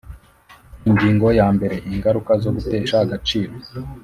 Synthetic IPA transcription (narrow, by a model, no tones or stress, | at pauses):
iɲɟiːŋɡo̞jaːmbe̞ɾe̞ʔiŋɡaɾukazo̞ɡute̞ːʃahaɡat͡ʃiːɾo